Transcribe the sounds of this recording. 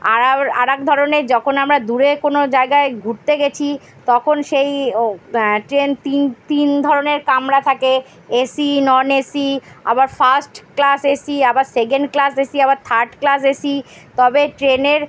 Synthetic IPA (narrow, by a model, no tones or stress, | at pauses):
aaa̰ɾɛkd̪ʱɔɾoneɾd͡ʑɔkʰonamɾad̪uɾekonod͡ʑaeɡaeɡʱuɾt̪eɡet͡ɕʰi | t̪ɔkʰonʃej | ʈɾent̪int̪ind̪ʱɔɾoneɾkamɾat̪ʰake | esinɔnesia̰baɾfasʈklasesiabaɾsek̬eɳɖklasesiabaɾt̪ʰaɾɖklas̬esit̪ɔbeʈɾeneɾ